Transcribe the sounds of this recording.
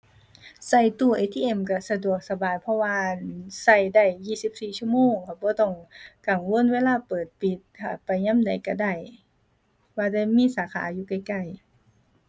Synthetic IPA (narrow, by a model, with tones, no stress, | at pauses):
sa˧˩jt̪u˧˩ʔeː˧t̪ʰiː˧ʔe˧˩˨mka˧˩sa˧du˨˩ək̚sa˧baː˨jpʰɔ˧waː˧sa˧˩jda˧˩jːiː˧˩˨si˧˦˥p̚siː˨˩t͡ɕʰu˧˥˨moː˧˨ŋkʰa˧˩bɔː˧˦t̪ɔ˧˩ŋka˨˩ŋwo˧˥˨nweː˧˥˨laː˧˥˨pɤː˨˩t̪̚pi˧˦t̪̚haː˨˩pa˨˩jɲa˧˥˨mda˨˩jka˧˩da˧˩j | waː˧˩da˧˩jmiː˧˥˨saː˨˦kʰa̰ː˨˦juː˧˦ka˧˩jka˧˩j